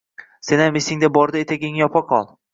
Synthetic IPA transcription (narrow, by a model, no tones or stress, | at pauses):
se̞namesɪŋd̪abɒɾd̪ɪet̪ʰaɡʲɪŋjɒpʰɒqʰɒlˠ